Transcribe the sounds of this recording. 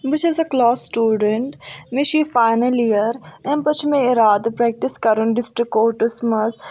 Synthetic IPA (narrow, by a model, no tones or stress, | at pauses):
bɪt͡ʃʰɪzɐklɔːsːʈuːɖəɳʈmɪʃiːfaɪnəlijəɾɛ̃mpɐt͡ʃʰmẽɪɾaːd̪pɾɛːk̚ʈɪskɐɾũnɖɪsʈɾikoːʈəsmɐz